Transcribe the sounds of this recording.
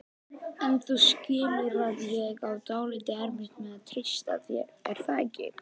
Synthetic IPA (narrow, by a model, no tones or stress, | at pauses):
ɛnθuscɪːlʏɾaðjɛɣawt̪aːwlit̪ɪɛɾmɪ̥t̪mɛðaðt̪ʰejst̪a̰ðjɛ̰ɛɾ̥θaːcɪ̰